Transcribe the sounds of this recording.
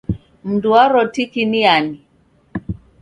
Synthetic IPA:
m̩nduaɾɔtikiniani

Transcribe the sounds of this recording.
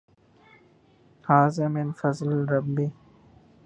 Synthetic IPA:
haːzemenfɐzlɾɐbːi

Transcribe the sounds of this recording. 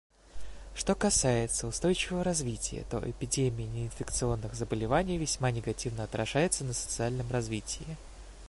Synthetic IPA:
ʂt̪o̞kɐsajɪt̪səʊst̪o̞jt͡ɕɪvəvəɾɐzvʲitʲɪjə̰t̪o̞̰ʔɪpʲɪdʲemʲɪjɪnʲɪɪnfʲɪkt̪sɨo̞nːɨɣzəbəlʲɪvanʲɪjvʲɪsʲmanʲɪɡɐtʲivnəɐt̪ɾʔɐʐajɪt̪sənəsə̥t̪sɨalʲnəmrɐzvʲitʲɪjɪ

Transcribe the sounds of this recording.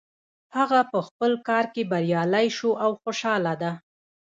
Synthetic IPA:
haɣapəxpəlkɑɾkebaɾjɑlajʃoʔawxoʃɑlad̪a

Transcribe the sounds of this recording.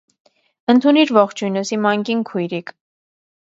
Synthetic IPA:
ənt̪ʰuniɾvɔχt͡ʃʰujnəsimɑŋkinkʰujɾikʰ

